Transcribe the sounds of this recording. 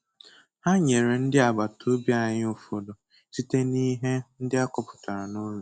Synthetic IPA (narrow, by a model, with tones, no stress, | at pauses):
ha˦ɲe˨ɾe˨n̩˦dɪ˦a˨ɡ͡ba˨tʰo˦bja˦˨ɲɪ˦o˨fo˨do˨ | si˦te˦ni˦ɦe˦n̩˦dɪ˦a˦kɔ˦˨pʊ̥˨ta˨ɾa˨no˦ɾu˨